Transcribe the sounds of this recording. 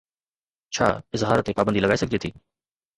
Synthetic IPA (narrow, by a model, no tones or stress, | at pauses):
t͡ɕʰa̰ːɪzɦaːɾət̪ːepaːbənd̪iːlɐɡaːisɐɡʱd͡ʑet̪ʰḭː